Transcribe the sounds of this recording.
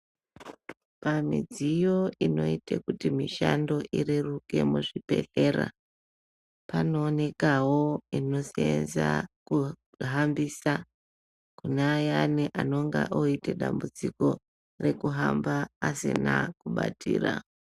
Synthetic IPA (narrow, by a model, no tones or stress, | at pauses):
pamid͡zijo̞ino̞itekutimiʃando̞ʔiɾiruke̞muʐipe̞̰ɬe̞ːɾa̰ | pano̞ːne̞kawoino̞sienzaku | ɦambisa | kuneajaniʔano̞ŋɡaʔoiteɗambud͡ziko̞ | re̞kuɦambaːsḭnakuɓatʰḭːra̰